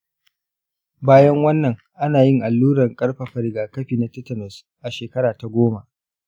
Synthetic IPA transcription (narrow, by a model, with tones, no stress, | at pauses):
baː˦jɐ˦ŋwɐ˦nːɐ˨ŋ | ʔa˦naː˨jɪ˦ŋʔa˨lːuː˦ɽɐ˨ŋkʼɐ˦ɽɸɐ˨ɸɐ˨ɾɪ˨ɡaː˨kɐ˦ɸiː˨na˨tɐ˦tːɐ˨nɐ˨s | ʔa˨ʃeː˨kɐ˦ɾaː˨ta˨ɡʷoː˦ma˨ʔ